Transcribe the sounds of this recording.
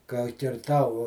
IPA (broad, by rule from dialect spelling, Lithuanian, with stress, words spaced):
kɐ kʲɪrˈtɐʊ